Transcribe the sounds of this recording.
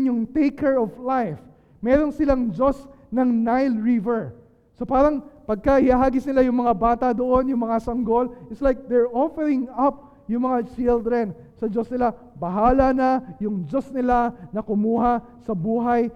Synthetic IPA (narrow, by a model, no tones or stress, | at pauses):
njʊŋt̪ejkʰɛɹɔvlajf | mɛːɾo̞nsɪlaŋd͡ʒo̞s | nɐŋnajlɹivɛɹ | sopaːɾɐŋpɐɡ̚kɐhɪhaɦaːɡɪsnɪlajʊŋmɐŋabaːt̪ɐd̪oʔo̞njʊŋmɐŋasɐŋɡo̞lɪt̪slajk̚d̪ɛɹʔofɛɹɪ̃ŋɐp̚ | jʊŋmɐŋat͡ʃɪld̪ɾɛn | sɐd͡ʒo̞snɪla | bɐɦaːlɐnɐjʊŋd͡ʒo̞snɪlanɐkʊmuːɦasɐbuːɦaj